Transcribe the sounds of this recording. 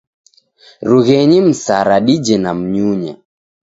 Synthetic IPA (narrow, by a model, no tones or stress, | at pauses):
ɾuɣɛɲim̩saɾaɗid͡ʒɛnam̩ɲuɲa̰